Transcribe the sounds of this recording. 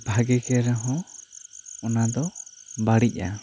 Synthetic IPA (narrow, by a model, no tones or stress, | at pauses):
bʱaɡɛkɛɾɛɦɔ̃ | ɔnad̪ɔbaɽic̚ˀa̰